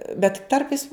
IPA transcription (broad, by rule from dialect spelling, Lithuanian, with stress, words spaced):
bʲɛt ˈtɐrpɐɪs